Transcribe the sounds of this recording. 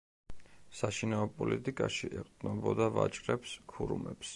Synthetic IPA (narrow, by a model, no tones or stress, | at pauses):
saʃinaɔpʼɔlit̪ʼikʼaʃiʔɛqʼd̪nɔbɔd̪avat͡ʃʼɾɛpskʰuɾumɛps